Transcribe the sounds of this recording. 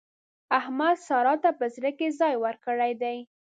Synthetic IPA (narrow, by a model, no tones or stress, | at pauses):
ahmad̪sɑɾɑt̪apəzɾəkezɑjwəɾkəɽajd̪aj